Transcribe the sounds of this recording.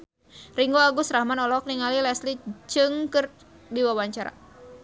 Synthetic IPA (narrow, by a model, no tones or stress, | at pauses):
riŋɡɔaɡusɾahmanɔlɔk̚niŋalilɛslit͡ʃɨŋkɨr | diwawaɲt͡ʃaɾa̰